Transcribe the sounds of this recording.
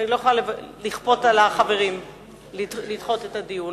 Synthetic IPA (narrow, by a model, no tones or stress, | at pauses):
nilo̞jeχolalliχpo̞talaχave̞ʁim | lilid̪χo̞tetadiu